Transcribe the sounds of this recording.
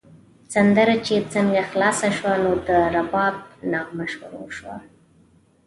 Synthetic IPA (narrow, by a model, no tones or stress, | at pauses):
sand̪əɾat͡ʃet͡səŋɡaxlɑsaʃwanod̪əɾabɑb̚nɑmaʃwṵɾa̰ʃwa̰